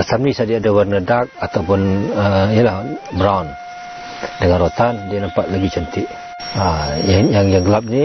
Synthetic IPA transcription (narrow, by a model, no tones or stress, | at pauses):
ət̪amnisadiadawərnədak̚at̪awpʊnəijəlahbɾawn | dəŋanrot̪andianampaʔ̪̚laɡit͡ʃənt̪ɪʔ | ajajaŋjaŋɡəlap̚ni